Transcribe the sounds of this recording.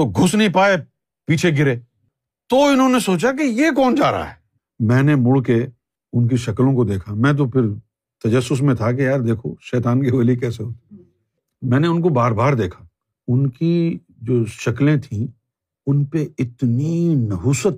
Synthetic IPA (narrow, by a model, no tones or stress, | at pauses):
t̪oɡʱʊsnɐɦĩpaːe | piːt͡ʃʰeɡɪɾeː | t̪oɪnɦõːnesoːt͡ʃak̬ejeːk̬ɔːnd͡ʒa̰ːɾa̰ɦɛː | mɛ̃ːnemʊɽke | ʊnk̬iʃɐklõkod̪eːkʰamɛ̃ːt̪̬opʰɪɾ | t̪ɐd͡ʒəsːʊs̬mẽt̪ʰak̬ejaːɾd̪eːkʰo̰ʃɛːt̪aːnkeʋɐlikɛːseɦoːt̪e | mɛ̃ːneʊnkobaːɾbaːɾd̪eːkʰḁ | ʊnki | d͡ʒoːʃɐklẽt̪ʰĩ | ʊnpeɪt̪ninɐɦuːsət̪